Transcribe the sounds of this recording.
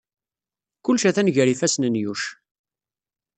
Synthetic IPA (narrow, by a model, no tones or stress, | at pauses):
kʊlːʃæθænʝəɾifæsnənjuʃ